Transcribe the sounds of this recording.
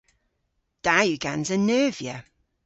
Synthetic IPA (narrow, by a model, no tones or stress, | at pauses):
d̥ajʉɡãnzənɜːvjə